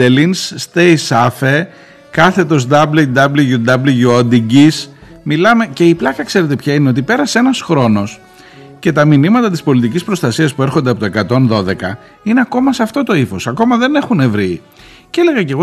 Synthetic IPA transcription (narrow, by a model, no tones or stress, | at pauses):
elinsːt̪ejsɐfe | kɐθe̞t̪o̞zd̪ɐblid̪ɐbliʝud̪ɐbliʝuod̪iɟis | milɐme̞ce̞iplɐkɐkse̞ɾe̞t̪e̞pçɐine̞o̞t̪̬ipe̞ɾɐse̞nɐsxɾo̞no̞s | ce̞t̪ɐminimɐt̪ɐt̪ispo̞lit̪icispɾo̞st̪ɐsiɐspue̞ɾxo̞nd̪eɐpoekɐt̪o̞nðo̞ðe̞kɐ | ine̞ɐko̞mɐsɐft̪o̞t̪o̞ifo̞sɐko̞mɐðe̞ne̞xune̞vɾi | ceele̞ɣɐce̞ɣo